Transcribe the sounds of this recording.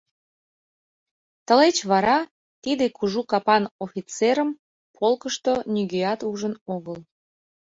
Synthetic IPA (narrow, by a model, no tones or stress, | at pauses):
t̪əlet͡ɕβɑɾɑ | t̪id̪ekuʒukɑpɑnofʲit͡seɾəm | pʰolkəʃt̪onʲyɣeɑt̪uʒənoɣəl